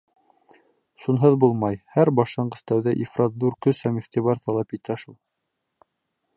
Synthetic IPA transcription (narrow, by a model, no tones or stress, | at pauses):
ʃunɦɤðbulˠmɑjhæɾbɑʃɑɴɢɤ̆st̪æwðæʔifrazb̪uɾkɵshæmiχt̪iβɑɾt̪ɑlˠɑpit̪æʃulˠ